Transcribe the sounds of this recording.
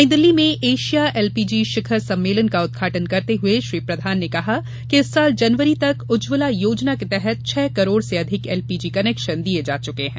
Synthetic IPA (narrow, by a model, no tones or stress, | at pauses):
ɪ̃d̪əlːimẽʔeːʃijaʔɛːlpiːd͡ʒiːʃɪkʰəɾsɐ̃mːeːlənkaʊd̪̚ɡʱaːʈənkɐɾt̪eɦʊeʃɾiːpɾɐd̪ʱaːnːekɐɦa | keɪsːaːld͡ʒɐnʋəɾit̪ɐkʊd͡ʒʋɪlajoːd͡ʒnaket̪ɛɦɛt̪̚t͡ʃʰɛːkɐɾoːɽseɐd̪ʱɪkɛːlpiːd͡ʒiːkɐneːkʃənd̪ied͡ʒa̰ːt͡ʃʊkeɦɛ̰̃ː